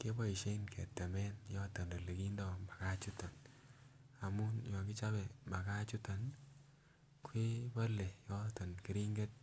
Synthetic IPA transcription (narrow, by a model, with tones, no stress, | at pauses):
ke˦bɔ˦i˨ʃe˦i˦nkʰɛ̰˨tːɛ˨mɛ˦njɔ˦tɔ˨nde˨le˨ki˦ndɔ˦mba˨ka˦t͡ʃu˦ta˨n | a˨mu˦njɔ˨ɡi˦t͡ʃa˦be˨mba˨ka˦t͡ʃu˦ta˨n | kwe˦ba˦le˨jɔ˦tɔ˨nki˦ɾi˦ŋɡe˦t̚